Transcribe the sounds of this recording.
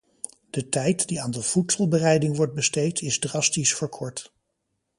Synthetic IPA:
d̥ətɛjtdiaːndəv̥utsɔlˠbərɛjdɪŋʋɔɹt̚bəstejtʰɪzdrɑstisfəɹkʰɔɹt

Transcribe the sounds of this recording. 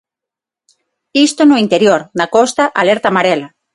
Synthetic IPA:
ist̪onoint̪eɾjoɾnakost̪aʔaleɾt̪amaɾela

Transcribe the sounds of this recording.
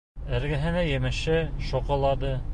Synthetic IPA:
ɘ̆ɾɡɘ̆ɦɘ̆næjɘ̆mɘ̆ʃɘʃŏqɤ̆lˠɑd̪ɤ

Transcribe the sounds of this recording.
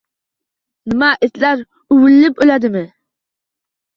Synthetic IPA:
nɪmaʔɪt̪laɾ | ʊwɪlːɪpølad̪ɪmɪ

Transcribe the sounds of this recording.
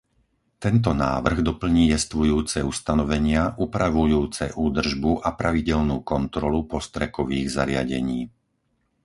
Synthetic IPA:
t̪ɛnt̪̬ɔnaːʋr̩ɣd̪ɔpl̩ɲiːjɛst̪ʋujuːt͡sɛust̪anɔʋɛɲɪaʔupɾaʋujuːt͡sɛʔuːd̪r̩ʒbuʔapɾaʋiɟɛlnuːkɔnt̪ɾɔlupɔst̪ɾɛkɔʋiːɣza̰ɾɪa̰ɟɛ̰ɲiː

